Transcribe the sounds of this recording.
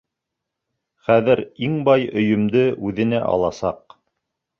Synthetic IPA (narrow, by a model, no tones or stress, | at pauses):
χæðɘɾiŋbɑjɵ̆jɵ̆md̪ɘʔʉðɘ̆næʔɑ̰lˠɑsɑq